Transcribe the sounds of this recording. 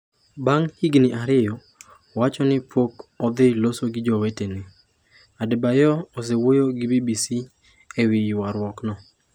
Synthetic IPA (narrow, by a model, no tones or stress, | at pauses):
baŋhiɡnɪʔaɾɪjɔ | wat͡ʃɔnɪpokɔd̪ɪlosoɡɪd͡ʒɔwetenɪ | adebajɔɔsewojoɡɪbibisi | ewɪjwaɾwɔknɔ